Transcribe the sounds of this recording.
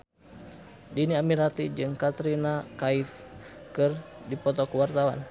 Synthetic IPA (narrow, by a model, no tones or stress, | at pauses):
diniamiɾat̪id͡ʒɨŋkat̪ɾinakaifkɨrdipɔt̪ɔkuwart̪awa̰n